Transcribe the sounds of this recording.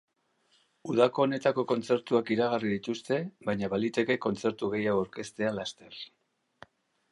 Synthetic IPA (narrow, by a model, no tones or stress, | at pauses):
uðako̞ːne̞t̪ako̞ko̞nt͡se̞ɾt̪uakiɾaɣ̞ariðit̪ust̪e̞βajɲaβalit̪e̞ke̞ko̞nt͡se̞ɾt̪uɣe̞jaoaɾke̞st̪e̞alast̪e̞r